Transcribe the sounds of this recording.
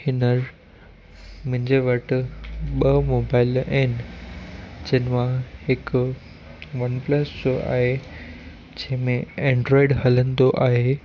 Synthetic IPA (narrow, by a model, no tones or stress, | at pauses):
ɪnəɾ | mʊ̃ɦɪ̃ɲd͡ʑeʋɐʈɓɐmoːbaːɪlɐnɪ̆ | d͡ʑɐ̃ɦnɪmãhɪk | ʋɐnpləsoa̰ːɦe | d͡ʑɐ̃ɦɪ̃mẽẽːɳɖɾɔːɪɖɦɐlə̃nd̪oʔaːɦe